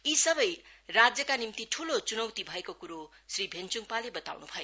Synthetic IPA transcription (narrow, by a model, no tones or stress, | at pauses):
isʌbʌjrad͡zjʌkanimt̪iʈʰulot͡sunʌwt̪ibʱʌekokuɾo | sribʱent͡suŋpalebʌt̪a̰wnubʱʌjo